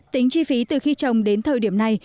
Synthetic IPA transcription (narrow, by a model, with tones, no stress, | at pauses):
t̪ï˨˦ŋ̟t͡ɕi˧fi˨˦t̪ɨ˨˩xi˧t͡ɕə˨˩wŋ͡mɗe˨˦nt̪ʰəː˨˩jɗi˧˩əmna˨˩j